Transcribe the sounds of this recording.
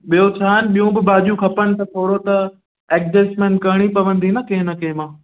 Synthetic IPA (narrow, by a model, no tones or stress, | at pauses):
ɓijot͡ɕʰaːɦənɪ̆ɓijũbɪbaːʄũkʰɐpənɪ̆t̪ɐt̪ʰoːɽot̪ɐ | eːk̚d͡ʑeːsmẽːɳʈ̚kɐɽ̃ipɐʋə̃nd̪ʱinɐkẽɦnɐkẽːmãː